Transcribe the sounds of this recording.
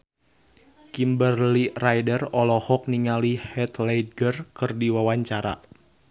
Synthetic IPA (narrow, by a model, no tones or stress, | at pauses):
kimbərlirajdərɔlɔhɔk̚niŋalihɛt̪lejdɡərkɨrdiwawaɲt͡ʃaɾa̰